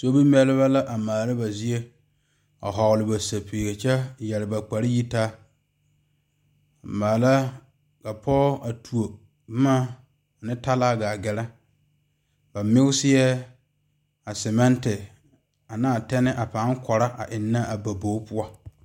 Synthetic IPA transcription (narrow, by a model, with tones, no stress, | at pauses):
so˦bi˦m˦ɛ˦lɪ˦βa˦la˦ʔa˨maː˨la˦ba˨zi˦e˦ | a̰˨ɦɔ˨ɣʊ˨lɪ˨ba˨sa˨pʰeː˨ɡe˨t͡ʃɛ˦jɛ˨lɪ˨ba˨k͡pa˨ɾɪ˦ji˦ta˦ | a˨maː˨la˦ | ka˨pʰɔː˦a˨tʰu˨o˨˦ | maː˦˨ | nɪ˦ta˦laː˦ɡaː˨ɡɛ˨lɛ˦ | ba˨mɪ˦ɡʊ˦sɪ˦jɛ˦ | a˨sɛ˨mɛ˦ntɪ˨ | a˨naː˦˨tɛ˦nɪ˦ʔa˨pa˨˦ŋkʰɔ˨ɾa˦ʔa̰˨ʔɪ˨nːa˦a˨ba˨bo˨˦pʊ˦ɔ˦